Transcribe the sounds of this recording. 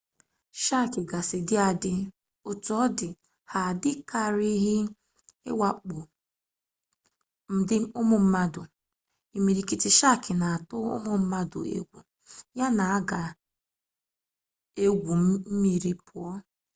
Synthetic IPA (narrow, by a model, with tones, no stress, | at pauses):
ʃa˦˨kɪ˨ɡa˨sɪ˨dɪ˦a˨dɪ˦ | o˨tɔ˦dɪ˨ | ha˨dɪ˦ka˦˨ɾi˦ɦɪ˦ | ɪ̰˦wa˨k͡pʊ˨ | m̩˦dɪ˦ʊ˦mʊ˨m̩˦ma˦dʊ˨ | i˨mi˨ɾi˨ki˨tɪ˨ʃa˦˨kɪ˨na˨a˨tʊ˦ʊ̰˦mʊ˨m̩˦ma˦dʊ̰˨ḛ˦ɡʷṵ˨ | ja˦na˨a˦ɡa˨ | e˦ɡʷu˨˦m̩˦mi˦ɾi˦pʰʊ˨ɔ˦